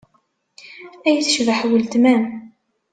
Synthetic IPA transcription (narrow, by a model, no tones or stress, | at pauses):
æjθʃvaħwəlt̪mæm